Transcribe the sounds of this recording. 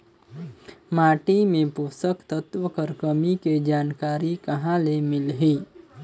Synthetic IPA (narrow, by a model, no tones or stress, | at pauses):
maːʈimẽpuːsəkt̪ət̪wəkəɾkəmiked͡ʒaːnkaːɾikɐɦãlemɪlɦiː